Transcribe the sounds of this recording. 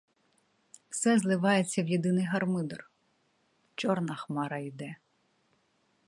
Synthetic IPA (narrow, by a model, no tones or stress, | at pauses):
wsɛzlˠɪʋɑjet͡sʲːɐwjid̪ɪnɪjɦɐrmɪd̪ɔr | t͡ʃɔrnɐxmɑɾɐid̪ɛ